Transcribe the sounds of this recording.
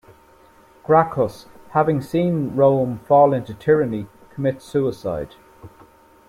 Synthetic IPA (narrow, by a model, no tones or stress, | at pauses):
ɡ̥ɹakʰəs | havɪ̃ŋsĩːnɹõʊ̃ɱfɔːlɪ̃ntutʰɪɹəni | kʰəmɪtsʉːɪsa̰ɪd̥